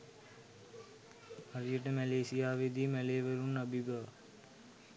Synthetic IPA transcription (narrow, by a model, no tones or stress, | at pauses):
aɾijəʈəmæleːsijaːʋed̪iːmæleːʋəɾunəbʱibəʋə